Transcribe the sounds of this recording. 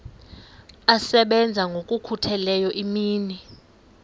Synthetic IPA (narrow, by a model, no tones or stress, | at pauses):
asɛɓɛnd͡zʱaŋɡʱokʼukʰutʰɛlɛjɔʔimiːni